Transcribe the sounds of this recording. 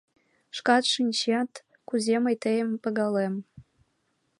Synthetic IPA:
ʂkɑt̪ʃɨnʲt͡ɕɑt̪ | kuzʲeməjt̪əjəmpə̆ɣɑlem

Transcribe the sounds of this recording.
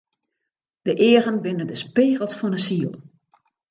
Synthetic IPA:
d̥əʔɪːəɣənbɪnədəspeːɣəl̩ˠsfɔnəsiːəlˠ

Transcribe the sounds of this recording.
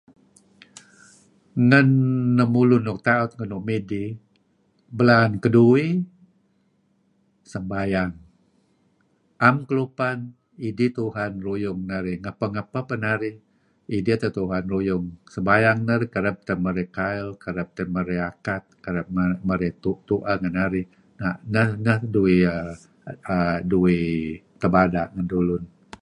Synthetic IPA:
ŋənːəmulunʊk̚t̪aʊt̪̚ŋənʊʔ̚medi | bəlankədui | səmbajaŋ | ʔamkəlupan | idit̪uɦanrujʊŋnaɾɪŋapəŋapapənaɾɪ | idiat̪ət̪uɦanrujʊŋsəmbajaŋnaɾikəɾəp̚t̪əməɾekajlkəɾəp̚t̪əməɾeakat̪̚kəɾəp̚məɾɛt̪ut̪uʔaŋanaɾɪ | nanəhnəhduiə | əduit̪əbadaʔŋəndulʊn

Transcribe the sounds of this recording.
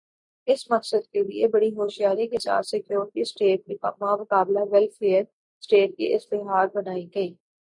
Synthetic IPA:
ɪsmɐqsəd̪keliebɐɽiɦoːʃijaːɾikesa̰ːt̪sɪkjoːɾʈisʈeːʈ̚kimamʊkaːblaʋɛlfeːjəɾ | sʈeːʈ̚kḭʔɪst̪eɦaːɾ̚bɐnaːiɡɐiː

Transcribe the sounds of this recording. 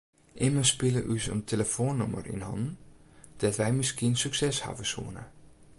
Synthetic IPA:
ʔɪməspɪləʔysə̰ntʰeləfoːnːɔmə̰rḭnhɔ̰ndn̩d̥ɛtʋɛjmɪskiənsyksɛsha̰vəsṵənə̰

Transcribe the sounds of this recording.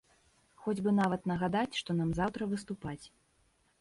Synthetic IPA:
xɔd͡zʲbɨnavɐt̪nɐɣad̪at͡sʲʂt̪ɔnamzawt̪ɾɐvɨst̪upat͡sʲ

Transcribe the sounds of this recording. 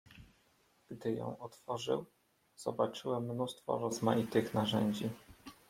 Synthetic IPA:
ɡ̥d̪ɘjɔ̰̃w̃ɔt̪fɔʐɘ̰w | z̥ɔ̰bat͡ʂɘwɛmːnust̪fɔ̰ɾɔzmajit̪ɘxnaʐɛɲd͡ʑi

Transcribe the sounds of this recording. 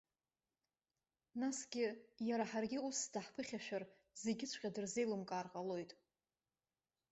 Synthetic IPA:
nasɡʲɪjaɾaħarɡʲɪusdaħpʰɨχʲaʃᶣar | ze̞ɡʲɪt͡ɕʷʰʼqʲʼadɨrze̞jlɨmkʼaːrqʼalo̞jtʼ

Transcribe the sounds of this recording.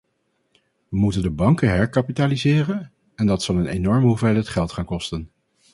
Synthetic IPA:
ʋəmutəndəbɑŋkəɦɛɹkapitaːlizɪːrən | ɛndɑtsɑlˠənenɔɹmɦuvɛlətχɛlˠtχaːnkɔstən

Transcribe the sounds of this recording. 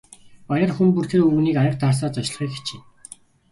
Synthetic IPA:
pajə̆rxumpur̥t̪eːuɣniːkajə̆q̚t̪aːs̬aːt͡sɔt͡ɕɮ̆χiːkxe̥t͡ɕʰin

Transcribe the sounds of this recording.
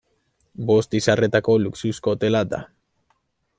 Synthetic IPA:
bo̞st̪isare̞t̪ako̞luksusko̞t̪e̞lad̪a̰

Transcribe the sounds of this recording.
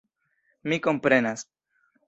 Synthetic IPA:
miko̞mpɾe̞nas

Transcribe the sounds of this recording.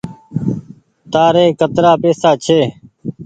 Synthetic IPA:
t̪aːɾeːkət̪ɾaːpeːsaːt͡ʃʰeː

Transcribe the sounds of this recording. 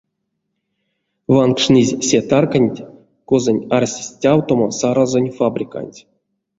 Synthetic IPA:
vankʂnʲizʲsʲet̪arkanʲtʲ | kozonʲarsʲisʲtʲawt̪omosaɾazonʲfabrʲika̰nʲtʲ

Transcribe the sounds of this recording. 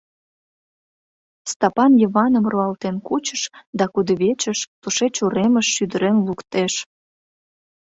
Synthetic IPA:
st̪ɑpɑnjəβɑnəmroɑlt̪enkut͡ɕəʃd̪ɑkud̪əβet͡ɕəʃt̪uʃet͡ɕuɾeməʃːyd̪əɾenlukt̪eʃ

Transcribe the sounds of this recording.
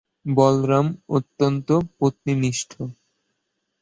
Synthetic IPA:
bɔlɾamot̪ːont̪opot̪niniʃʈʰo

